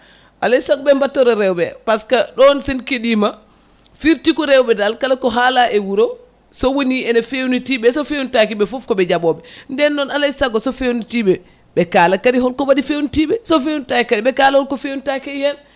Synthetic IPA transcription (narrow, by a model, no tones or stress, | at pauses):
ʔalajsaɡɔbɛmbatːɔɾɔɾɛwbɛpaskaɗɔnsinkeɗima | fiɾtikɔɾɛwbɛdalkalakɔɦalaʔɛwuɾɔ | sɔwoniɛnafewnitibɛsɔfewntakibɛfɔfkɔbɛd͡ʒabɔbɛndɛnːɔnalajsaɡɔsɔfewnutiɓɛ | ɓɛkaːlakaɾiɦɔlkɔwadifewntiɓɛsɔfewuntakikadibɛkalahɔlkɔfeuntakɛjhɛn